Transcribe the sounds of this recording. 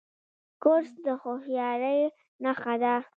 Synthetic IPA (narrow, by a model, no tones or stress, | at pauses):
koɾsd̪əxohjɑɾəj | naxad̪a